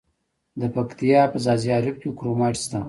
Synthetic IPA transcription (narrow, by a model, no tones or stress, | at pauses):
d̪əpɐkt̪ijɑːpəzɑzijɑːɾɪb̚kʲekɾomaʈst̪a